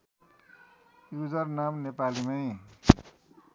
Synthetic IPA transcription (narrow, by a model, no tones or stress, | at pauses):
jud͡zʌrnamnepalimʌj